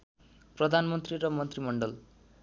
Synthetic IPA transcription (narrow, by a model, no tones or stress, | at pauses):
prʌd̪ʱanmʌnt̪riɾʌmʌnt̪rimʌɳɖʌl